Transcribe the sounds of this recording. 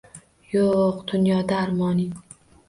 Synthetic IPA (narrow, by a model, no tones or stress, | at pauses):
joqd̪̥ʊnjɒd̪aːɾmɒnɪ